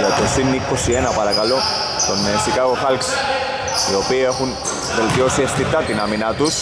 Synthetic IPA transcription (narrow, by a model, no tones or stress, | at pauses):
let̪osinːikːosienapaɾakalo | konesikaɣoxalks | iopiexun | belt̪josiest̪it̪at̪inaminat̪us